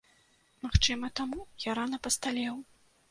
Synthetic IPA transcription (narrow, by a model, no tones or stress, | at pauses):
maxt͡ʂɨmɐt̪amujaɾanɐpɐst̪alʲɛw